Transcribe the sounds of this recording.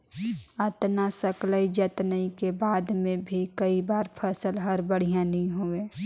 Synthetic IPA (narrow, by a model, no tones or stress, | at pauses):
ət̪nasəkləid͡ʒət̪nəĩkebaːd̪mẽbʱikəibaːɾpʰəsəlɦəɾbəɽ̤ijãnəĩɦoeː